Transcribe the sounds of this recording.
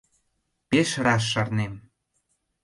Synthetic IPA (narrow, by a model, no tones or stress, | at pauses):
peʃɾɑʃ̬ːɑrnem